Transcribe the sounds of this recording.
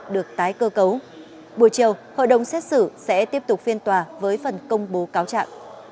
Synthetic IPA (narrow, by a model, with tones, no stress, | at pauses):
ɗɨ˨˩ək̚t̪aː˨˦jkəː˧kə˨˦w | ɓu˧˩əjt͡ɕi˨˩əwho̰˧˨jɗə̰˧˨wŋ͡msɛ˦˥t̚sɨ̰˧˩sɛ̰˧˥t̪i˦˥əp̚t̪ʊ˨˩k͡p̚fi˧ənt̪waː˨˩vəː˨˦jfə˨˩nkə˧wŋ͡mɓo˨˦kaː˨˦wt͡ɕa̰ː˧˨ŋ